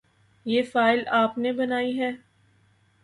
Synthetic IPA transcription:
jeːfaːɪlaːpnebɐnaːiɦɛː

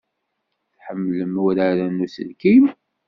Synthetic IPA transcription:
θħəmːləmwɾaɾænːusə̰lkim

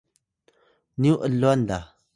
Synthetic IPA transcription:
nuʔəlːwand̪a

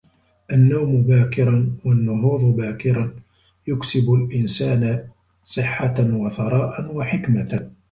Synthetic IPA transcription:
ʔanːawmʊbaːkɪɾˤɑnwanːʊɦuːðˤbaːkɪɾˤɑn | jʊksɪbʊlʔɪnsaːna | sˤɨħːawaθɑɾˤɑːʔanwaħɪkma

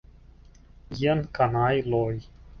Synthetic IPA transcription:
jiənkanajloj

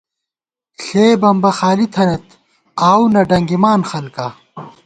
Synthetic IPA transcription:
ɬeːbɐmbɐxaːlit̪ʰɐnet̪ | aːwnɐɖɐŋɡimaːnxɐlka

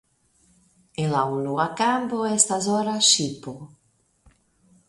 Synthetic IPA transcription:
elaunoakamboɛst̪azɔɾaʃipo

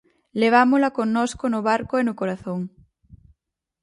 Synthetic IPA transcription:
leβ̞amolakonnoskonoβaɾkoenʊkoɾaθoŋ

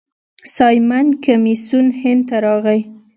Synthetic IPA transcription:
sɑjmankamisunhɪnd̪t̪aɾɑɣaj

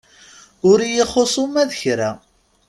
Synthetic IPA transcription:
ʊɾijiχosˤomæðəçɾæ

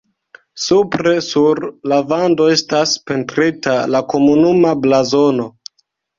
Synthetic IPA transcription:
supɾe̞suɾlavando̞e̞staspe̞ntɾitalako̞munumablazo̞no̞

